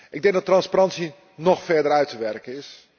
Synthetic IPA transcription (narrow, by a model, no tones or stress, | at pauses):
ʔɪɡdɛŋɡ̚dɔtːrɑnsparɑntsi | nɔxfɛɹdərœɥtʰəʋɛrkəɪs